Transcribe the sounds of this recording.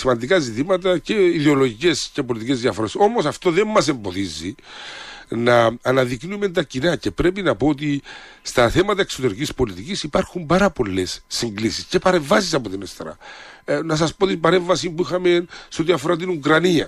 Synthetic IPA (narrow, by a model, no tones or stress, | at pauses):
simɐnd̪ikazit̪imɐt̪ɐce̞iðeo̞lo̞ʝice̞scepolit̪ice̞zðiɐfoɾe̞so̞mosɐft̪o̞ðe̞mːɐse̞mbo̞ðizːi | nɐːnɐðiknume̞nt̪ɐcinɐce̞pɾe̞p̬inɐpo̞ot̪̬ist̪ɐθe̞mɐt̪ɐekso̞t̪e̞ɾicispo̞lit̪icisipɐɾxumbɐɾɐpo̞lːe̞sːiŋɡlisisce̞pɐɾe̞ɱvɐs̬isɐpo̞t̪inest̪eɾɐ̰nɐs̬ɐspo̞t̪ibɐɾe̞ɱvɐsimbuixɐmenseo̞t̪iɐfo̞ɾat̪̬inukɾɐniɐ̰